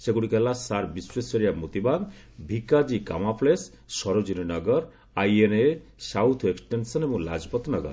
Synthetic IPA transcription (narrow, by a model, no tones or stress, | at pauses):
seɡuɽikɛlasaɾbisɾesoɾijamot̪ibad̪ | bʱikad͡ʒika̰mapʰles | ʃɔɾod͡ʒininɔɡɔɾ | ajenesawt̪ʰeksʈensɔnebɔŋlad͡ʑpɔt̪nɔɡɔ̰ɾ